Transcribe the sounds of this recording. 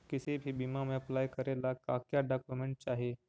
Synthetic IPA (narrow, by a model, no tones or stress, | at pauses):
kisebʱiːbimameəplajkəɾelakakjaɖakjumeɳʈ̚t͡ɕaɦe